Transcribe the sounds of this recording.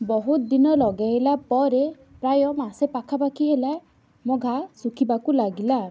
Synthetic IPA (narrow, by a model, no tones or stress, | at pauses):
bɔɦut̪d̪inɔlɔɡajlapɔɾe | pɾajɔmasepakʰapakʰiɦela | moɡʱasukʰibakulaɡila